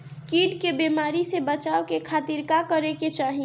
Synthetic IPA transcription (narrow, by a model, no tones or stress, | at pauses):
kiʈkebemaɾisebət͡ʃaokekʰat̪iɾkakəɾeket͡ʃaːɦi